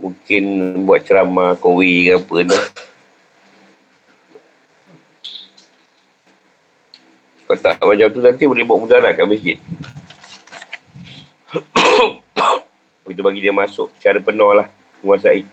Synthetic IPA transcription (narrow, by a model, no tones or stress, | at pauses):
muŋkɪnbuat̪̚t͡ʃəɾamakowiɡapəna | kat̪a̰ʔmaɲt͡ʃamt̪uant̪iməlibɔʔmudalakaməsd͡ʒɪt̪̚ | ɡit̪ubaɡidiəmasʊʔt͡ʃaɾəpənɔhlah | əŋuasai